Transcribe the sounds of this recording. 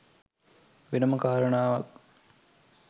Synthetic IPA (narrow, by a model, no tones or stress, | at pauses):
ʋenəməkaːɾənaːʋak